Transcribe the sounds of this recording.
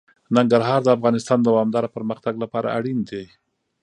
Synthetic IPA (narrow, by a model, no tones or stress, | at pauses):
naŋɡaɾɦɑɾd̪əafɣɑnɪst̪ɑnd̪əwɑmd̪ɑɾapəɾməxt̪aɡlapɑɾa̰aɽind̪e